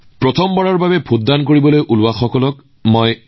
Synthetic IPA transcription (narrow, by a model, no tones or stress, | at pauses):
pɹɔt̪ʰɔmbɔɹaɹbabɛbʰʱʊt̚dankoɹibɔlojʔulʊaxɔkɔlɔk | moj